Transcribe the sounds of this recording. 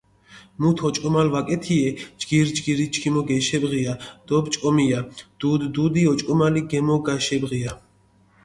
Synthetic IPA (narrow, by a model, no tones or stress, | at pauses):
mut̪ʰɔt͡ʃʼkʼɔmalvakʼɛt̪ʰiɛd͡ʒɡiɾd͡ʒɡiɾit͡ʃʰkʰimɔɡɛʃɛbʁiad̪̥ɔbt͡ʃʼkʼɔmijad̪̥ud̪ːud̪iɔt͡ʃʼɔmaliɡɛmɔɡaʃɛbʁia